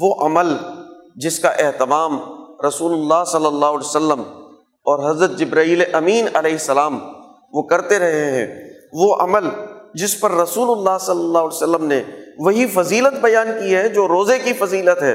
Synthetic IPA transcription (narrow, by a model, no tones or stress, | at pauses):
ʋoʔɐməld͡ʒɪskaʔeɦt̪ɪmaːmɾɐsuːlʊlːaːɦsɐlːəlːaːɦʊːlesəlːəm | ɔːɾɦɐzɾət̪̚d͡ʒɪbɾaːiːleʔɐmiːnɐlɛːɦɪsːɐlaːm | ʋokɐɾt̪eɾɐɦeɦɛ̰̃ːʋoʔɐməld͡ʒɪspɐɾːɐsuːlʊlːaːɦsɐlːəlːaːɦʊːlesəlːəmneʋɐɦifɐziːlət̪̚bɐjaːnkiɦɛd͡ʒoːɾoːzekifɐziːlət̪ɦɛː